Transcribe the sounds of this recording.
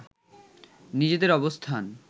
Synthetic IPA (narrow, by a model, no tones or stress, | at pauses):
nid͡ʑed̪eɾɔbost̪ʰan